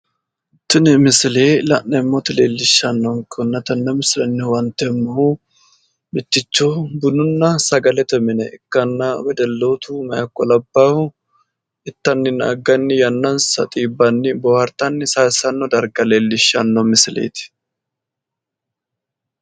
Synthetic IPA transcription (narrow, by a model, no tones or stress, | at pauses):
t̪ːɪnɪmɪsɪleːlɐ̰ʔnɛmːɔt̪ɪleːlːɪʃːɐnːɔŋkɔnːɐt̪ɐnːɛmɪslɛnːɪwɐnt̪ːɛmːɐʊ | mɪt̪ːɪt͡ʃːɔbʊnʊnːɐsɐɡɐlɛt̪ɛmɪnɛʔɪkːɐnːɐwɛd̪ɛlːoːt̪umɐjɐkːɔlɐbːaːhʊ | ɪt̪ːɐnːɪna̰ɡɐnːɪjɐnːɐnsɐ̰t̪ʼiːbːɐnːɪbɔhɐɾt̪ɐnːɪsasɐnːɔd̪ɐɾɡɐle̞ːlːɪʃːɐnːɔmɪsɪlḛːt̪ɪ̥